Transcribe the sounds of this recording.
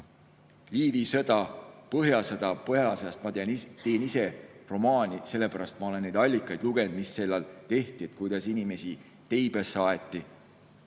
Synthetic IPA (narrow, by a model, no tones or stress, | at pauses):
liːvisɤd̪̥ɑpɤɦjɑsɤd̪̥ɑpɤɦjɑsest̪mɑt̪nt̪e̞ːnise̞ro̞mɑːnʲise̞lːe̞pæɾɑst̪mɑo̞le̞nːe̞jd̪ɑlʲːikːˑɑjd̪luɡe̞nd̪̥misːe̞lːɑlt̪e̞ht̪iet̪̚kujd̪̥ɑsinime̞si | t̪ejb̥esːɑːet̪ˑːi